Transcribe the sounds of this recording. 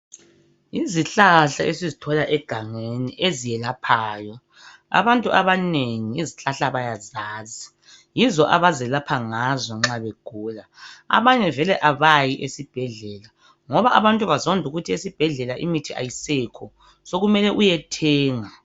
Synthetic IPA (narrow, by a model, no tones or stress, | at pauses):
iziɬaɬaʔesizitʰɔlaʔɛɡ̥ʱaŋeniʔezijɛlapʰaːjɔ | a̰βantʼuʔaβaneŋiiziɬaɬaβajazaːzi | jizɔʔaβazɛlapʰaŋazɔŋ͡ǁaβeɡ̥ʱuːlaa̰βaɲɛvɛlɛʔaβajiʔesib̥ʱɛɮɛːla | ŋɔβaʔaβantʼuβazondʱuɣutʰiesib̥ʱɛɮɛlaʔimitʰiʔa̰jisɛkʰɔ | soɣumɛlɛʔujɛtʰɛːŋa